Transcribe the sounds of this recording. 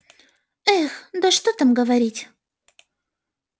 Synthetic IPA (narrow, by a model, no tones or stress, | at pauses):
exd̪aʂt̪ot̪ə̆mɡəvaɾʲitʲ